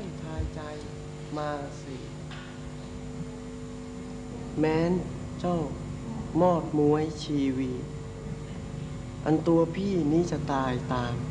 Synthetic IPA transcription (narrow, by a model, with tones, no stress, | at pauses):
a˥˩jt̪ʰaː˧jt͡ɕa˧j | maː˧si˧˩ | mɛː˦˥n | t͡ɕɔ˥˩wmɔː˥˩t̪̚mu˧˥əjt͡ɕʰiː˧wi˧˩t̪̚ | ʔa̰˧nt̪u˧ɐpʰiː˥˩niː˦˥˩t͡ɕa˧t̪aː˧jt̪aː˧m